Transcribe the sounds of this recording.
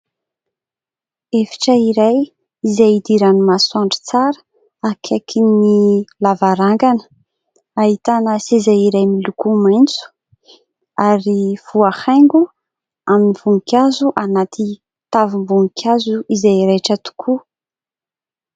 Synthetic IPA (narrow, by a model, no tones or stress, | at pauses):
efi̥ʈ͡ʂəiɾaj | izajid̪iɾanimasuaɳɖ͡ʐi̥t͡saɾə̥ | akʰekʰinilavaɾaŋɡanə̥ | ait̪anəsezaiɾajmilukumajnt͡su̥ | aɾiv̥uahaŋɡu | aminiv̥uŋkʲazuʔanat̪ʰi | t̪avimbuŋkʰʲazuʔizajɾejʈ͡ʂət̪u̥kʰu